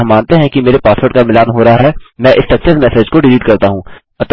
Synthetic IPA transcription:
mːãːnt̪eɦɛ̃kimeːɾepaːsʋoːʈkamɪlaːnɦoːɾɐɦaɦɛːmɛ̃ːʔɪst̪ɐksesmɛːseːd͡ʒkoɖɪliːʈkɐɾt̪aɦũː | ɐt̪

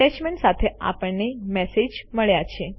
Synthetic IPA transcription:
ɛt͡ʃmeɳʈsat̪ʰea̰pəɳːemɛsed͡ʒməɭjat͡ʃʰe

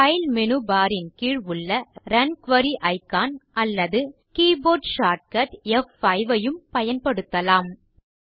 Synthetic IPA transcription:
ɐɪlmɛnɯbaːɾɪnkiːɻʋɯɭːɐɾɐnkʋɐɾiʔɐɪkːaːnʔɐlːɐðɯ | kiːboːɖʃaːʈ̚kɐʈɛfɐɪʋɐjɯmpɐjɐnpɐɽɯt̪ːɐlaːm

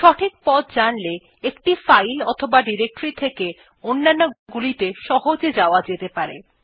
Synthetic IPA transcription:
ʃɔʈʰik̚pɔt̪̚d͡ʑanle | ekʈifajlɔt̪ʰobaɖiɾek̚ʈoɾit̪ʰeke | onːanːoɡulit̪eʃɔɦod͡ʑed͡ʑaoad͡ʑet̪epaɾḛ

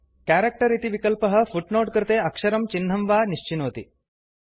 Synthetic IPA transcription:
kaːɾek̚ʈɐɾit̪iʋikɐlpɐɦɐ̆fuʈnoːʈkɾɨt̪eːɐkʂɐɾɐmt͡ʃinːɐmʋaːniʃt͡ʃinoːt̪i

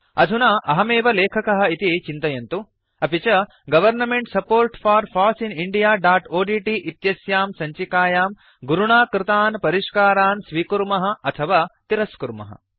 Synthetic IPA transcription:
ɐ̰d̪ʱunɐʔɐɦɐmeːʋɐleːkʰɐkɐɦɐ̆it̪it͡ʃint̪ɐjɐnt̪u | ɐpit͡ʃɐ | ɡɐʋɐɾnɐmeɳʈsɐpoːɾʈfʰaːɾfʰaːsiniɳɖijaːɖaːʈoːɖiːʈiʔit̪jɐsjaːmsɐɲt͡ʃikaːjaːm | ɡuɾuɳaːkɾɪt̪aːnpɐɾiʂkaːɾaːnsʋiːkuɾmɐɦɐ̆ɐt̪ʰɐʋaːt̪iɾɐskuɾmɐ̰ɦɐ̰

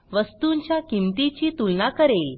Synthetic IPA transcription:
ʋəst̪uɲt͡ɕjakimt̪it͡ɕiːt̪ulnakəɾel

